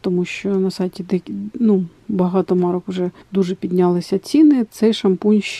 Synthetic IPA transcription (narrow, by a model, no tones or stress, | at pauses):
t̪ɔmuʃt͡ʃɔnɐsɑjtʲid̪ɛkʲnubɐɦɑt̪ɔmɑɾɔkʊʐɛd̪uʐɛpʲid̪ʲnʲɑlˠɪsʲɐt͡sʲinɪt̪sɛjʃɐmpunʲʃ